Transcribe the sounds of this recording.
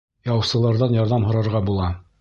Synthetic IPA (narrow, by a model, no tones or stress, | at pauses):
jɑwsɤ̆lˠɑɾðɑnjɑɾðɑmhŏɾɑɾʁɑbulˠɑ